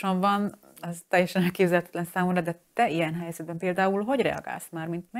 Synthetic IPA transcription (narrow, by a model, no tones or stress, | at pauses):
ʃoɱvɒn | ɛzt̪ɛjːɛʃɛnɛlkeːbzɛlɛt̪ɛ̥t̪lɛnsaːmumɾɒd̪ɛt̪ɛijɛnɦɛjzɛd̪̚bɛmpeːld̪aːulɦo̞ɟrɛ̰ɒ̰ɡa̰ːlsmaːrmint̪mɛ